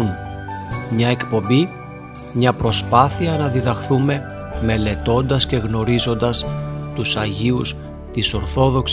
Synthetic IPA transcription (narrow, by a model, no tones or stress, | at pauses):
n | mɲɐe̞kpo̞mbi | mɲɐpɾo̞spɐθiɐnɐðiðɐxθume̞ | me̞le̞t̪o̞nd̪ɐsce̞ɣno̞ɾizo̞nd̪ɐst̪usɐʝius | t̪iso̞ɾθo̞ðo̞ks